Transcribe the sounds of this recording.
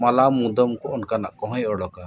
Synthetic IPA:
malamud̪ɔmkɔɔnkana̰ʔkɔɦɔ̃jɔɽɔka

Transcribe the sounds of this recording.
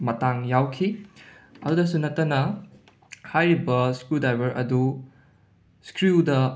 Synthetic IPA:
mɐtaŋjawkʰi | ɐdudɐsunɐtːɐnɐ | hajɾibɐskɾudajbɐɾɐ̰du | skɾudɐ

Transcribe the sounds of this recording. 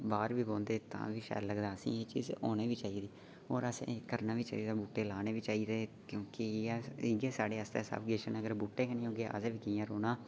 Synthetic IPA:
baːɾʋiːbõːnd̪eːt̪ã̰ːʋiːʃɛ̰ːɾləɡd̪aːəsḭ̃ːeːt͡ʃḭːzoːneːʋiːt͡ʃaːiːd̪iː | oːɾəsḛ̃kəɾnaːʋiːt͡ʃa̰ːiːd̪aːbuːʈːeːlaːneːʋiːt͡ʃaːiːd̪eːkjõːkiːɪɡeːsaːɖeːəst̪ɛːsa̰ːbɡeːʃənəɡəɾbuːʈːeːkənĩːoːɡeːʔa̰ːseʋiːkɪjãːɾoːnaː

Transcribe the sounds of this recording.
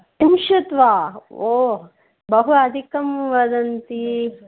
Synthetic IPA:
timʃut̪ʋaːoː | bɐɦuɐd̪ʱikɐmʋɐd̪ɐnt̪i

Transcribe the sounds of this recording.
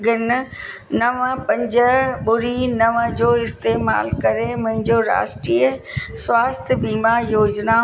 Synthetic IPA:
ɡɪn | nɐʋpɐ̃ɲd͡ʑəɓʊɾinɐʋəd͡ʑoːɪst̪eːma̰ːlkɐɾemʊ̃ɦɪ̃ɲd͡ʑoːɾa̰ːʃʈɾiːə | swaːst̪ʰjbiːmajoːd͡ʑna

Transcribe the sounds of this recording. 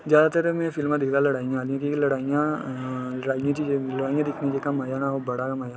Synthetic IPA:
d͡ʒjaːd̪at̪ɐɾɛmẽfɪlmãd̪ɪkʰd̪alɐɽaːĩjãːliãkiilɐɽaːijã | ɾaːijãt͡ʃid͡ʒelɐɽaːĩjãd̪ɪkʰned͡ʒekɐmaːjanaɦobɐɽakɐmaːja

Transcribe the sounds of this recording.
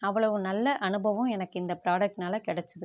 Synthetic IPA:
ɐʋːɐɭɐʋɯnɐlːɐʔɐnɯbɐʋɯ̃mɛnɐkːɯɪnd̪ɐpɪɾaːɽɐk̚ʈnaːlɐkɪɽɛt͡ʃːɐðɯ

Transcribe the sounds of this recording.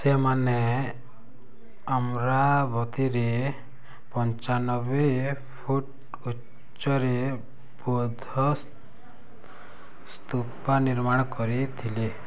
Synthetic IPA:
semane | amɾabʱɔt̪iɾe | pɔnt͡ʃanɔbe | pʰuʈ | u | t͡ʃt͡ʃːɔɾe | bɔd̪ʱɔ | st̪upaniɾmaɽ̃kɔɾit̪ʰile

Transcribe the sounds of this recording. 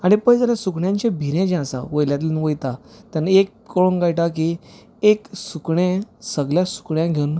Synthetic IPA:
aɽ̃ipə̃jd͡zalasukɳjãɲt͡ɕẽbʱiɾẽd͡ʑɛ̃sa̰ʋəjljat̪ilnʋəjt̪at̪anaekːəɭonɡajʈak̬i | eksukɳẽsəɡljasu̥kɳjãɡʱeun

